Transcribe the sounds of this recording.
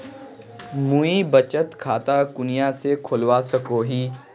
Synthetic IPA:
muibɐt͡ʃət̪kʰaːt̪akʊnijasekʰʊlwasɐkoːɦĩː

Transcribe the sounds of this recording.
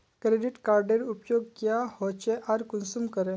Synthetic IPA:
kɾeɖiʈkaɾɖeɾupjoɡkjahɔt͡ɕeʔaɾkunsumkəɾɛ̃

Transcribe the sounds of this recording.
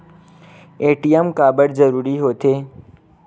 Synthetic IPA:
eːʈijemkaːbəɽzəɾuːɾiɦoːt̪ʰeː

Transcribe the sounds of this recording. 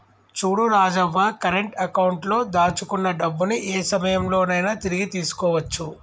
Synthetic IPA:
t͡ʃuːɽuɾaːd͡ʒɐʋaːkɐɾeɳʈɐkɐwɳʈlo̞ːd̪aːt͡ʃukunːɐɖɐbːuniʔeːsɐmɐjɐmlo̞ːnɐjnaːt̪iɾiɡit̪iːsu̥kɔːʋɐt͡ʃːu

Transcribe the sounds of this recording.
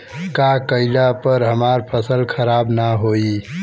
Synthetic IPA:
kakəɪlapəɾɦəmaɾpʰəsəlkʰəɾabnaɦoi

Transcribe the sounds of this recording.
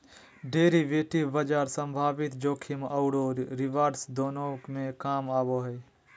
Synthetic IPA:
ɖeːɾiʋeːʈibəd͡ʒaːɾsə̃mbʱaːʋɪt̪d͡ʒoːkʰiməʊɽoɾɾɪʋaːɾsd̪oːnomẽkaːmaːboɦɛj

